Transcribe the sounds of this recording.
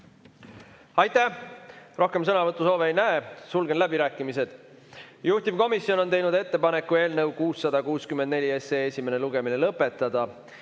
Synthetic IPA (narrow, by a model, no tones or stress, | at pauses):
ɑjt̪ˑæ | ro̞hke̞ms̬ɤnɑvɤt̪ːˑuso̞ːveejnæesulɡ̥e̞nlæbiɾæːkˑːimise̞d̪̥ | juht̪ib̥ko̞misːjo̞nont̪e̞jnud̪e̞t̪ːe̞pɑne̞kːˑue̞ːlnɤwkuːsːɑd̪̥ɑkuːskyme̞nd̪nelʲieseːesʲime̞ne̞luɡe̞mine̞lɤpːˑe̞t̪ːˑɑd̪̥ɑ